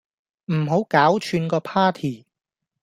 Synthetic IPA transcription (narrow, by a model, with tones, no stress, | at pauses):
m̩˨˩ɦo˨˥wkaː˨˥wt͡ʃʰyː˧nkɔː˧pʰaː˥t̪ʰiː˨˩